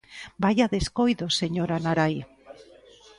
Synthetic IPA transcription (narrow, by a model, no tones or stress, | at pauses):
bajaðeskojðoseɲoɾanaɾaj